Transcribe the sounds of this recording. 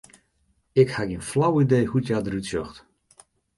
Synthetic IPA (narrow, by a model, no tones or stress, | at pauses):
ɪkhaɡinflawidejhutjadərytsjɔxt